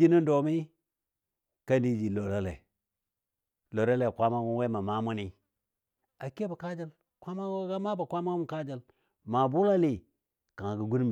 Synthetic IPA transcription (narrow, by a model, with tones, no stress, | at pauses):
i˦ni˦n˦do˨mi˦ | ka˦ndi˦d͡ʒi˨lo˨ɾa˦lḛ˨ | lo˨ɾa˦le˨kʷa˦ma˦ɡu˦n˦we˦ma˨ma˦mu˦ni˦ | a˨ke˦ba˨ka˦d͡ʒa˦l | kʷa˦ma˦ɡa˦ma˦ba˨kʷa˦ma˦u˦ka˦d͡ʒa˨l | ma˨bu˦la˦li˨ | kã˨ŋ˨ɡu˨ɡu˦n˦m˨